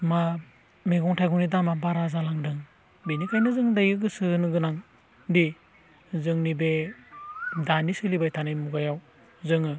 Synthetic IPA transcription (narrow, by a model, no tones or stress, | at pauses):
ma | meɡɔŋtʰajɡɔnidamabaɾazalaŋdɯŋ | benikʰajnɯzɯŋdajɯɡɯsɯnɯɡɯnaŋ | di | zɯŋnibe | danisɯlibajtʰanɯjmuɡajaw | zɯŋɯ